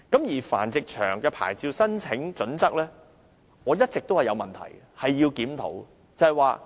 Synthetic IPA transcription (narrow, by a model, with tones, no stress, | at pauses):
kɐ˨˥mjiː˨˩fa̰ː˨˩nt͡sɪ˨k̚t͡ʃʰœ̰ː˨˩ŋkɛː˧pʰa̰ː˨˩jt͡siː˧wsɐ˥nt͡sʰɪ˨˥ŋt͡ʃt͡sɵ˨˥nt͡sɐ˥k̚lɛː˥ | ŋɔː˨˧jɐ˥t̚t͡sɪ˨k̚t̪o˥hɐ˨jɐ˧wmɐ˨nt̪ʰɐ̰˨˩j | hɐ˨jːiː˧wkiː˨˥mt̪ʰo̰˨˥w | t͡sɐ˨hɐ˨jwaː˨˧